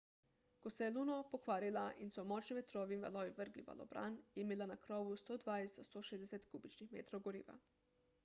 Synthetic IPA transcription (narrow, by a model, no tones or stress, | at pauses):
kɔsɛjɛluːnɔpɔkʋaːɾilaʔinsɔmɔːt͡ʃniʋɛt̪ɾɔːʋinʋa̰lɔʋiʋəɾɡliʋa̰lɔ̰bɾa̰njɛimeːlanakɾɔːʋust̪oːd̪ʋajsd̪ɔst̪oːʃeːzd̪ɛsɛt̪kuːbit͡ʃnixmḛːt̪ɾowɡoɾḭːʋa̰